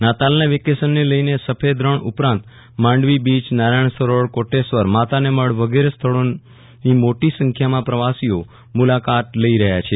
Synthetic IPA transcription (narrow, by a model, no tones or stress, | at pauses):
nat̪alnaʋikesənːeləinesəpʰed̪ɾəɳʊ̰pɾãnt̪ | mãɳɖʋibit͡ʃnaɾajɳ̃səɾoɭkoʈesʋəɾmat̪aneməɭʋəɡeɾest̪ʰəɭo | nimoʈisə̃ŋkʰjamãpɾəʋasio | mulakat̪ləiɾəɦjat͡ʃʰe